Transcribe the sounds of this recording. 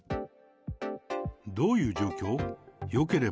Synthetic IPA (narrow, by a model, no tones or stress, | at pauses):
d̪ojud͡ʒokʲjojokeɾe